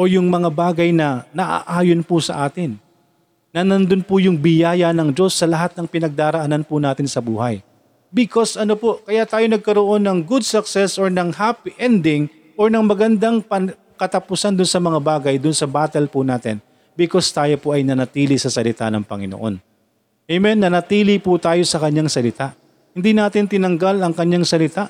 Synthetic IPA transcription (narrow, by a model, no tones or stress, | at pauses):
ʔojʊŋmɐŋabaːɡɐjnɐnɐʔa̰ʔaːjonpʊsɐ̰ʔaːt̪ɪnː | ɐnɐnd̪ʊnpʊjʊŋbɪjaːjɐnɐŋd͡ʒo̞sːɐlɐɦat̪̚nɐŋpɪnɐɡ̚d̪aːɾɐʔɐnanpʊnaːt̪ɪnsɐbuːhɐj | bɪkosʔɐnopokɐjaʔt̪aːjonɐɡ̚kɐɾoʔo̞nːɐŋɡʊd̪̚sɐksɛsoɹnɐŋhapiʔɛnd̪ɪŋ | ʔoɹnɐŋmɐɡɐnd̪aŋpɐ | kɐt̪ɐpʊsand̪ʊnsɐmɐŋabaːɡɐjd̪ʊnsɐbaːt̪ɛlpʊnaːt̪ɪn | bɪko̞st̪aːjo̞poʔɐjnɐnɐt̪iːlisɐsɐlɪt̪anɐŋpɐŋɪno̰ʔo̞n | ʔɛjmɛnːɐnɐt̪iːliput̪aːjo̞sɐkɐɲːaŋsɐlɪt̪aʔ | hɪnd̪inaːt̪ɪnt̪ɪnɐŋɡalɐŋkɐɲːaŋsɐlɪt̪aʔ